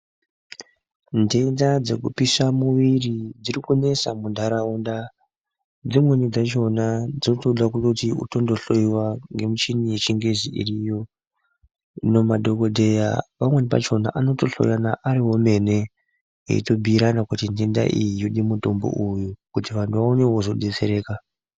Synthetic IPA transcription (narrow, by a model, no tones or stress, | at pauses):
ndendad͡ze̞̰kupisamuʋirid͡zirikune̞samundʱaɾaunda | d͡zimwe̞nid͡zat͡ʃo̞nad͡zinotoɗakunotiṵto̞ndo̞ɬo̞iwaŋɡe̞mut͡ʃinijet͡ʃiŋɡe̞ziʔḭrijo̞ | no̞maɗo̞ko̞dʱe̞ja̰pamwe̞nipa̰t͡ʃo̞na̰ʔano̞to̞ɬo̰ijanaʔaɾiwo̞me̞ne̞ | ḛḭto̞bʱiːɾanakutindinda̰ʔijijoɗimuto̞mbo̰ʔujukutiʋantʰuʋaone̞wozo̞ɗet͡se̞̰ɾe̞ːka